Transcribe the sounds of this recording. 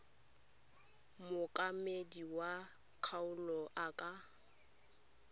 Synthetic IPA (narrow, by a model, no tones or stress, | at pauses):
mʊkʼamediwa | kʰaʊlɔʔakʼa